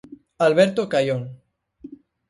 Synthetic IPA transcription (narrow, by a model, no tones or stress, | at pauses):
alβeɾt̪okajon